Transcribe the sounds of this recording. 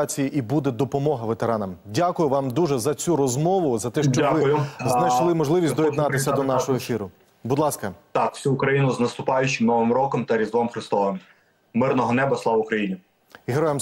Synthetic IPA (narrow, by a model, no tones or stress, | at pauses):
t͡sʲijiʔibud̪ɛd̪ɔpɔmɔɦɐʋet̪eɾɑnɐmdʲakʊjʊʋɑmd̪uʒɛzɐt͡sʲuɾɔzmɔʋʊzɐt̪ɛʃt͡ʃɔʋɪʊjʊznɐjʃlˠɪmɔʒlˠɪʋʲisʲtd̪ɔjid̪nɑt̪ɪsʲɐd̪ɔnɑʃɔɦɔefʲiɾʊ | bud̪lˠɑskɐt̪ɑkw̥sʲuʊkɾɐjinʊznɐst̪ʊpɑjʊt͡ʃɪmnɔʋɪmɾɔkɔmt̪ɐɾʲizʋɔmxɾɪst̪ɔʋɪm | mɪrnɔɦɔnɛbɐslˠɑʋʊkɾɐjinʲi | iɦeɾɔjem